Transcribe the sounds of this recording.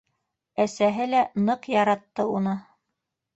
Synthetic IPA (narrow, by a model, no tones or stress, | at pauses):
æsæɦɘlænɤqjɑɾɑt̪ːɤunɤ